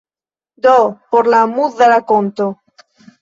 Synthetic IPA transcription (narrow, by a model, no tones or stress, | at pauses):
d̪opoɾlamuððalakont̪o